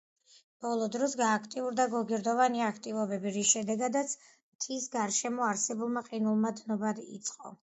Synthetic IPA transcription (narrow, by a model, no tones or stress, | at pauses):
b̥ɔlˠɔd̪ɾɔsɡaːkʰt̪ʼiuɾd̪aɡɔɡiɾd̪ɔvaniakʰt̪ʼivɔbɛbiɾiʃɛd̪ɛɡad̪at̪sʰ | mt̪ʰisɡaɾʃɛmɔaɾsɛbulˠmaqʼinulˠmad̪nɔbad̪ḭt̪sʼqʼɔ̰